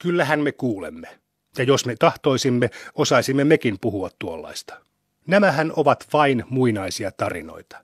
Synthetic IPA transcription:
kylːæhænmekuːlḛmːe | jɑjosmet̪ɑht̪o̞isimːeosɑisimːemekimpuhuɑt̪tuolːɑ̰ist̪ɑ̥ | næmæhænoʋɑt̪ʋɑinmuinɑisiɑt̪ɑrḭno̞̰it̪ɑ̥

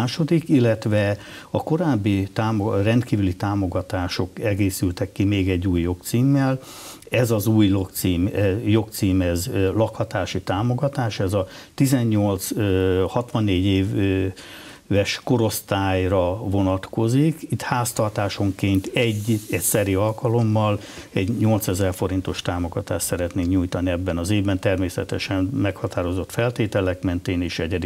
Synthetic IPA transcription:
aːʃo̞d̪ikilːɛt̪ʋɛ | ɒko̞ɾaːbːit̪aːmorɛnt̪kiːvylit̪aːmo̞ɡɒt̪aːʃo̞kɛɡeːsylt̪ɛkːimeːɡɛɟːuːjːo̞kt̪siːmːɛl | ɛzɒzuːjlokt̪siːmɛjo̞kt̪siːmɛzlɒkhɒt̪aːʃit̪aːmo̞ɡɒt̪aːʃɛzɒt̪izɛɲːo̞lt̪shɒt̪ʋɒnːeːɟeː | vɛʃko̞ɾo̞st̪aːjrɒvo̞nɒt̪ko̞zikit̪haːst̪ɒrt̪aːʃo̞ŋkeːnt̪ɛɟːɛtsɛɾiɒlkɒlo̞mːɒl | ɛɟɲo̞lt̪sɛzɛrfo̞ɾin̪t̪o̞ʃt̪aːmo̞ɡɒt̪aːʃt̪sɛɾɛt̪neːŋkɲujt̪ɒniɛbːɛnɒzeːvbɛnt̪ɛrmeːsɛ̰t̪ɛʃɛnmɛkhɒt̪aːɾo̞zo̞t̪fɛlt̪eːt̪ɛlɛkmɛnt̪eːneːʃɛɟɛd̪i

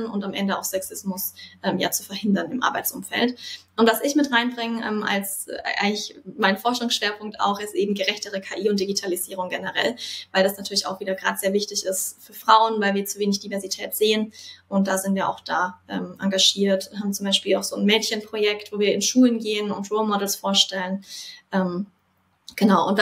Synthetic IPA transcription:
nʊntamʔɛndəa̰ʊxsɛksɪsmʊsʔɛːmja̰ːt͡su̥fɛɐhɪndɐnɪmʔa̰ɐbaɪtt͡sʔʊ̰mfɛ̰ltʔʊntv̥asɪçmɪtʁaɪnbʁɪŋəʔɛ̰mʔa̰lsʔa̰ɪŋlɪçmaɪnfɔɐʃʊŋsʃv̥eːɐpʰʊŋk̚ta̰ʊxɪstʔeːbm̩ɡəʁɛçtəʁəkʰaːʔiːʊnt̚d̥iɡitʰaliziːʁʊŋɡɛnəʁɛ̰lvaɪldasnatʰyːɐlɪça̰ʊxv̥iːdɐɡʁa̰ːdəz̥eːɐvɪçtɪçɪstfyːɐfʁ̥aʊənvaɪlviːɐt͡suveːnɪçd̥ivɛɐzitʰɛːtz̥eːənʔʊnt̚d̥aːzɪntv̥iːɐʔa̰ʊxd̥aːʔɛ̰ːmʔaŋɡaʒ̥iːɐtɦaːbm̩t͡sʊmbaɪʃpiːla̰ʊxz̥oːnmɛːtçənpʁ̥ojɛktvoːviːɐɪnʃuːlənɡeːənʊntʁɔːlmɔdl̩sfoːɐʃtɛlənʔɛːm | ɡ̥ənaʊʔʊntv

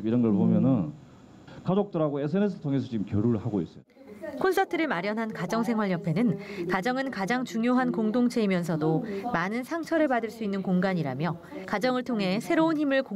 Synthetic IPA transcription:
iɾʌnɡʌɭpomjʌnɯn | kad͡ʑok̚t͈ɯɾɦaɡoesʰɯenes̬ʰɯɭtʰoŋes̬ʰʌt͡ɕimkjʌɾuɭhaɡoḭs͈ʌ | kʰonsʰʌtʰɯɾɯɭmaɾjʌnɦankad͡ʑʌŋsʰe̞ŋɦwaɭjʌpʰe̞nɯnkad͡ʑʌŋɯnkad͡ʑaŋt͡ɕuŋjoɦankoŋdoŋt͡ɕʰeimjʌns̬ʰʌdomanɯnsʰaŋt͡ɕʰʌɾɯɭpadɯɭs͈uinːɯnkoŋɡaɲiɾamjʌ | kad͡ʑʌŋɯɭtʰoŋɦe̞sʰe̞ɾounçimɯɭko

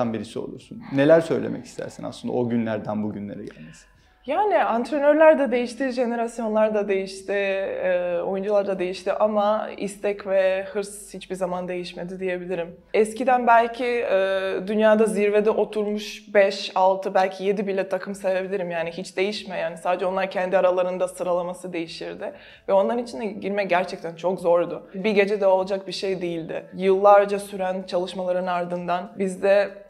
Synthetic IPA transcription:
anbiɾisio̞̰lˠṵɾsunːe̞lʲæɾsø̞jlʲḛmɛ̰cʰi̥st̪ʰæ̰ɾsina̰slˠɯnd̪a̰oɟynlʲæɾd̪ænbuɟynlʲe̞ɾɛ̰ɟæ̰lʲmesi̥n | jaːnɪant̪ɾenøɾlʲæɾd̪ɛd̪e̞jiʃt̪ʰiʒe̞ne̞ɾasjo̞nlˠaɾd̪ad̪e̞jiʃt̪ɪː | o̞jund͡ʒulˠaɾd̪ˠad̪e̞jiʃt̪iʔamaḭst̪ʰɛcvɛhɯɾshit͡ʃbiɾzamand̪e̞jiʃme̞d̪id̪ije̞bilʲiɾim | ɛscid̪ænbælʲcʰiɛːd̪ynjaːd̪aziɾved̪ɛʔo̞t̪ʰuɾmuʃbɛʃalˠt̪ʰɯbælʲcʰije̞d̪ibilʲɛt̪ʰakʰɯmse̞ve̞bilʲiɾimjaːniɦit͡ʃd̪e̞jiʃmɛjaːnisaːd̪ed͡ʒɛo̞nlˠaɾcʰɛnd̪iaɾalˠaɾɯnd̪asɯɾalˠamasɯd̪e̞jiʃiɾd̪ɪ | vɛo̞nlˠaɾɯnit͡ʃʰind̪ɛɟiɾmɛɟæɾt͡ʃʰɛc̚t̪ʰænt͡ʃʰo̞kzo̞ɾd̪ʊbiɟe̞d͡ʒɛd̪ɛo̞lˠad͡ʒak̚biʃejd̪ijilʲd̪ɪ̰jɯlˠːaɾd͡ʒasyɾænt͡ʃʰalˠɯʃmalˠaɾɯnaɾd̪ɯnd̪anbizd̪ɛ

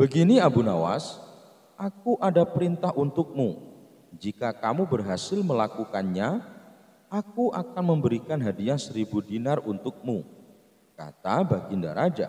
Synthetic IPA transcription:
b̥əɡiniabunawa̰s | ʔakuʔadapəɾint̪aɦʔunt̪ʊk̚mu | d͡ʒikakamubərɦasɪlməlakukanɲa | akuʔakanməmbəɾikanɦadiasəɾibudinarunt̪ʊk̚mu | ka̰t̪abaɡinda̰ɾad͡ʒa̰

